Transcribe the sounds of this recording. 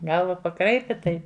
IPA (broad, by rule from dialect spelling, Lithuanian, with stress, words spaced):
ˈɡɐlˠʋɐ pɐˈkrɐɪpʲɪ ˈtɐɪ